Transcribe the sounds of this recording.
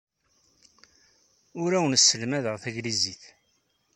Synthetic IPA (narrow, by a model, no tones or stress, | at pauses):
ʊɾæwənsːəlmæðəʁθæʝliziθ